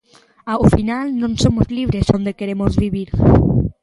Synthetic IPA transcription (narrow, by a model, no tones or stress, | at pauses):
awfinalnõŋsomozliβ̞ɾesond̪ekeɾemozβiβiɾ